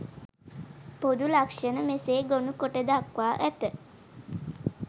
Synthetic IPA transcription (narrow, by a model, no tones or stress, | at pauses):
pod̪ulakʂənəmeseːɡonukoʈəd̪akʋaːʔæt̪ə